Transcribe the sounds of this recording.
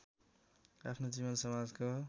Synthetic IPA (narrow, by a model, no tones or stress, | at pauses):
apʰnod͡ziβʌnsʌmad͡zko